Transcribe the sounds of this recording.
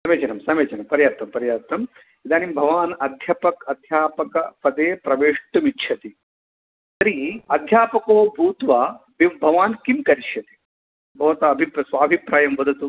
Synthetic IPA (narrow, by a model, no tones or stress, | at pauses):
sɐmeːt͡ʃɐnɐmsɐmeːt͡ʃɐnɐmpɐɾjaːt̪ːɐmpɐɾjaːt̪nɐm | id̪aːnimbʱɐʋaːnɐd̪ʱjɐpɐkɐd̪ʱjaːpɐkɐpɐd̪eːpɾɐʋeːʂʈumitːʃʰɐt̪i | sɐɾiɐd̪ʱjaːpɐkoːbʱuːt̪ʋɐbibʱɐʋaːnkimkɐɾiʃjɐt̪i̥ | bʱɐʋɐt̪ɐɐbʱipsʋaːbʱipɾaːjɐmʋɐd̪ʱɐt̪u